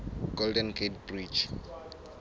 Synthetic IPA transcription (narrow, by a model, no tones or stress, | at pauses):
ɡ̥oldɛ̃nkʰetbrit͡ʃ